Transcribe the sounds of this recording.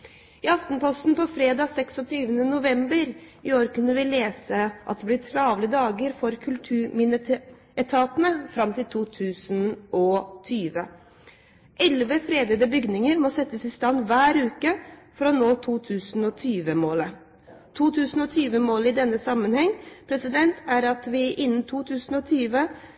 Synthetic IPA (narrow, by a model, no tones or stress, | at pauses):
ɪɑft̪npɔst̪n̩pɔfɾeːd̪ɑːsɛksɔt̪ʰyːʋənənʊʋɛmbəɾɪoːɾkʉnːəʋɪleːsəʔɑ̰t̪d̪ɛblɪʈʰɾɑːʋləd̪ɑːɡəɾfɔɾkʰʉlt̪ʰʉːɾmɪnə | ɛt̪ʰɑːt̪nəfɾɑmt̪ʰɪlt̪ʰuːt̪ʰʉːsnʔɔt̪ʰyːʋə | ʔɛlʋəfɾeːd̪ɛd̪əbʏɡnɪŋəɾmɔsɛt̪ːəsɪst̪ɑnːʋæːɾʉːkəfɔɾɔnoːt̪ʰuːt̪ʰʉːsnɔt̪ʰyːʋəmoːlə | t̪ʰuːt̪ʰʉːsn̩ɔt̪ʰyːʋəmoːlɪd̪ɛnːəsɑmːənhɛŋːpʰɾɛsɪd̪ɛnt̪ʰæɾɑt̪ʋɪʔɪnːn̩t̪ʰuːt̪ʰʉːsn̩ɔt̪ʰyːʋə